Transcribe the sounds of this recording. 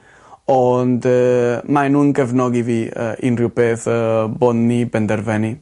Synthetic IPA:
ɔndəmajnuːnɡəvnɔɡiviːə̰ʔḭnriwbeːθəbɔnːibɛndɛɾvɛni

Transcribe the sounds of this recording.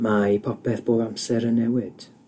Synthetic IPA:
maipʰɔpʰɛθb̥oːvamsɛɾənːɛwɪd̥

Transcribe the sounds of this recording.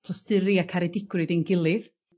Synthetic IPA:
tʰɔstɨɾiakʰaɾɛdɪɡrɨðenɡɪlˠɨð

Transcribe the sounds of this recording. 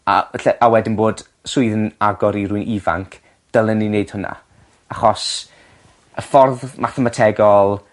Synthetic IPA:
a̰ɛɬɛʔawɛdɪnboːd̥ | sʊɨðənaɡɔɾiɾuɨnʔiva̰ŋkʰ | d̥əlˠənineɨd̥hʊna̰ | aχɔs | əfɔrðmaθɛmatʰɛɡɔlˠ

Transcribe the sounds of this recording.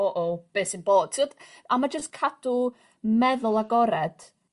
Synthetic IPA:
oʔob̥eːsinboːd̥̚tʰiwɔdamad͡ʒəskʰadʊ | mɛðʊlˠaɡɔɾɛd̥

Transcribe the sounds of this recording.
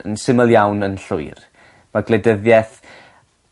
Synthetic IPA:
ə̰nsɪməlˠjawnənɬʊɨr | maɡlɛdəðjɛθ

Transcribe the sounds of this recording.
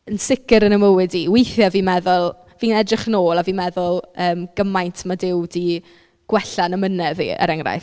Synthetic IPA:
ənsɪkɪɾənəməwɪdiːwejθjaviːmɛðʊlˠ | viːnɛdrɪχnoːlˠaviːmɛðʊlˠəːmɡ̥əmajntʰmadɪwdi | ɡ̥wɛɬanəmənɛðḭə̰ɾɛŋra̰j

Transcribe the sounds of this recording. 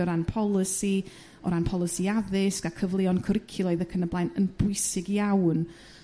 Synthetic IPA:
ɔɾanpʰɔlˠɪsi | ɔ̰ɾanpʰɔlˠəsiaðɪskakʰəvlˠɪɔnkʰəɾɪkʰjʊlˠɔɨðəkʰənəblajnənb̥ʊɨsɪɡjawn

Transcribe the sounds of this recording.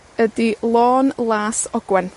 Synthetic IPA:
ədilˠoːnlˠaːsɔɡ̥wɛn

